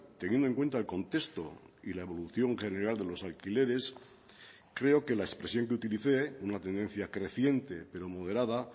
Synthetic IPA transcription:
t̪e̞njenoe̞ŋkwe̞nt̪aelko̞nt̪e̞st̪o̞ | ilae̞βo̞luθjo̞ŋχe̞ne̞ɾald̪elo̞salkile̞ɾe̞s | kɾe̞o̞ke̞laespɾe̞sjo̞ŋkeut̪iliθe̞unat̪e̞nd̪e̞n̟θjakɾe̞θje̞nt̪e̞pe̞ɾo̞mo̞ðe̞ɾaða

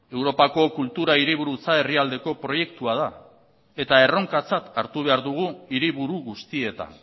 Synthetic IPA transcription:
e̞wɾo̞pako̞kult̪uɾaiɾiβ̞uɾut͡sae̞riald̪e̞ko̞pɾo̞je̞kt̪uað̞a | e̞t̪ae̞ro̞ŋkat͡sat̪aɾt̪uβ̞e̞aɾðuɣ̞uiɾiβuɾuɣust̪ie̞t̪a̰n

